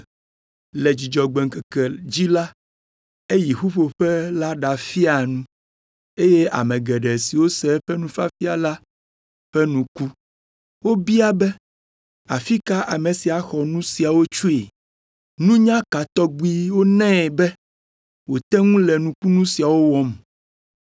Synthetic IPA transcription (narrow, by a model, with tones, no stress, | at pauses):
lɛ˨d͡ʑi˨d͡ʒɔ˨ɡ͡bɛ˨ŋkɛ˨kɛ˨d͡ʑi˦la˦ | e˦ji˨xu˦ɸo˨ɸɛ˦la˦ɖa˨fi˦a˨nũ˦ | e˦je˦a̰˨mɛ̃˨ɡɛ˨ɖɛ˨si˨wo˦sɛ˦ɸɛ˦nũ˦fa˦fi˦a˨la˦ | ɸɛ˦nũ˦ku˦ | wo˦bi˦a˦bɛ˦ | a̰˨fi˦ka˦ʔa˨mẽ˨si˨a˨xɔ˨nũ˦si˨a˨wo˦t͡ʃu˦e˨ | nũ˦ɲã˦ka˨t̪ɔ˦ɡ͡bi˦wo˦nɛ̃˦˨bɛ˦ | wo˨t̪ɛ˦ŋũ˦lɛ˨nũ˦ku˦nũ˦si˨a˨wo˦wɔ˦m˨